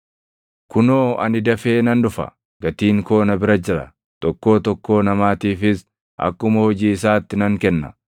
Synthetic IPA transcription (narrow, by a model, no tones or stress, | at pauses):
kʊnoːɐnɪd̪ɐfe̞ːnɐndʊfɐ̰ | ɡ̥ɐt̪iːŋko̞ːnɐbɪɾɐd͡ʒɪɾɐ | t̪ɔkːo̞ːt̪ɔkːo̞ːnɐmaːt̪iːfɪs | ʔɐ̰kːʊmɐhɔd͡ʒiːɪs̬aːt̪ːɪnɐŋkɛnːɐ̥̰